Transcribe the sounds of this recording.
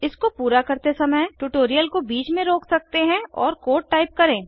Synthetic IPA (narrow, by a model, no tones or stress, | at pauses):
ɪskopuːɾakɐɾt̪esɐməjʈuːʈoːɾijəlkobiːt͡ʃmẽɾoːksɐk̚t̪eɦɛ̃ɔːɾkoːʈ̚ːaːɪp̚kɐɾẽː